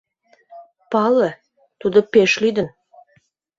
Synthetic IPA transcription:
pɑlə | t̪ud̪opeʃlyd̪ən

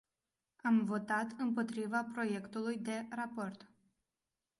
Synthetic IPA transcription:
amvo̞t̪at̪ɨmpo̞t̪ɾivapɾo̞je̞kt̪ulujd̪e̞rapo̞rt̪

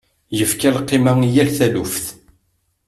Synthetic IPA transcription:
jəfkælqːɪmæŋijælθælufθ

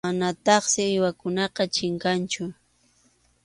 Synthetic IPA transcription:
manat̪ɑχsɪːjwakʊnɑqɑt͡ʃɪŋkant͡ʃʊ

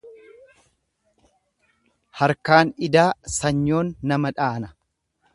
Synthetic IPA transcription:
hɐɾkaːnɪd̪aːsɐɲːo̞ːnːɐmɐᶑaːnɐ̥

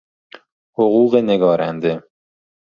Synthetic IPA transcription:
hoɣuːɣeneɡɒːɾænd̪e

